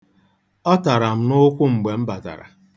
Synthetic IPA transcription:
ɔ˦ta˨ɾa˨m̩˦nʊ˦kʷʊ˦ŋ͡m̩˨ɡ͡be˨m̩˦ba˨ta̰˨ɾa̰˨

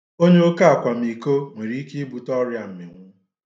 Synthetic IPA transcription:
o˦ɲe˦o˦ka˦a˨kʷa˨mi˨ko˦ŋʷe˨ɾi˨˦i˦ke˦i˦bu˨tɔ˦ɾja˨m̩˨mɪ˨ŋʷʊ˦

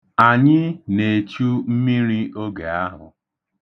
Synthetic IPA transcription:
a˨ɲɪ˦ne˨t͡ʃu˦m̩˦mi˦ɾi˦o˦ɡe˨a˦ɦʊ̰˨

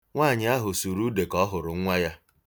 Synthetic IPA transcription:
ŋʷaː˦˨ɲɪ˦a˦ɦʊ˨su˨ɾu˦de˨kɔ˦ɦʊ˨ɾʊ˨ŋ̩˦ŋʷa˦ja˦

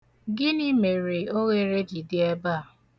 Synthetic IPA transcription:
ɡɪ˦ni˦me˨ɾe˨o˦ɣe˦ɾe˦d͡ʒi˨dɪ˦e˦baː˦˨

